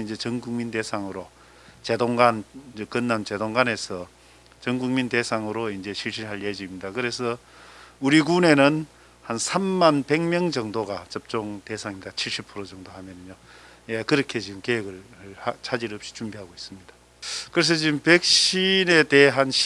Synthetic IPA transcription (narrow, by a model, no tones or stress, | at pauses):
ind͡ʑe̞t͡ɕʌŋɡuŋminde̞sʰaŋɯɾo | t͡ɕe̞doŋɡanekɯnːant͡ɕe̞doŋɡane̞sʰʌ | t͡ɕʌŋɡuŋminde̞sʰaŋɯɾoind͡ʑe̞ɕʰiɭɕ̬͈iɾɦaɭjed͡ʑiimɲidakɯɾe̞sʰʌ | uɾiɡune̞nɯn | hansʰamːanpe̞ŋmjʌŋd͡ʑʌŋdoɡat͡ɕʌp̚t͡ɕ͈oŋte̞sʰaŋimidat͡ɕʰiɭɕ͈ipʰɯɾod͡ʑʌŋdoɦamjʌnɯɲo | jekɯɾʌkʰe̞t͡ɕiɡɯmkeɦeɡɯɭhat͡ɕʰad͡ʑiɾʌpɕ͈i̥t͡ɕumbiɦaɡois͈ɯmɲid̥a | kɯɾes̬ʰʌt͡ɕiɯmpe̞k̚ɕine̞te̞ɦanɕ